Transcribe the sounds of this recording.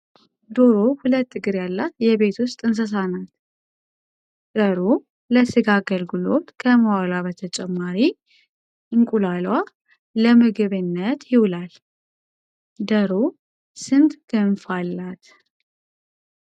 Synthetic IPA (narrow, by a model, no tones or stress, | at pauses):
d̪o̞ɾo̞hulət̪ːɨɡɨɾjalːat̪jɛβe̞t̪wʊst̪ʼɨns̬əs̬anat̪ | d̪əɾo | ləsɨɡaɡəlɡɨlo̞̰t̪kʰəməwalaβət̪ʰət͡ʃʼɛmːaɾi | ʔɨŋkʼulalwa | ləmɨɡɨβɨnːət̪jiwlal | d̪əɾo | sɨnd̪ɡ̥ɨnfalːat̪